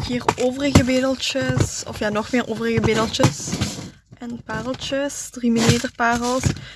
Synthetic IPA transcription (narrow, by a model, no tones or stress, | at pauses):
viːroːvərəɣəbeːdəlˠt͡ʃəsɔ̰fjaːnɔxmeːrʔoːvərəɣəbeːdəlˠt͡ʃəs | ʔɛnpaːrəlˠt͡ʃəsdrimileːtərpaːrəlˠs